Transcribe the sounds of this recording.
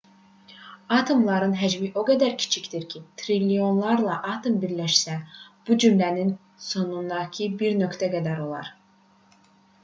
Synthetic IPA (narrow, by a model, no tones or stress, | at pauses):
ɑt̪ʰo̞mlˠɑɾɯnɦæd͡ʒmiʔo̞ɡæd̪æɾcʰi̥t͡ʃʰicd̪iɾcʰit̪ʰɾilijo̞nlˠɑɾlˠɑʔɑt̪ʰo̞mbiɾlæʃsæb̥ud͡ʒymlænin | so̞nund̪ɑcʰibiɾnø̞kt̪ʰæɡæd̪æɾo̞lˠɑ̰ɾ